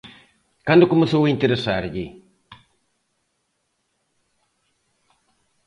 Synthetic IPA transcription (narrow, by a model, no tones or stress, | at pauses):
kandukuməsuwitiɾisaɾɡi